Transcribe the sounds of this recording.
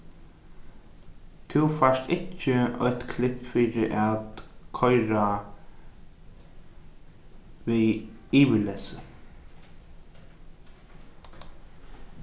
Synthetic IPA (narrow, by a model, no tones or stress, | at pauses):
t̪ʰɪwfast̪ɪt͡ʃːɪœt̪kʰlɪpfiːɾɪʔat̪kʰɔjɾa | ʋiiːʋɪlɛːsə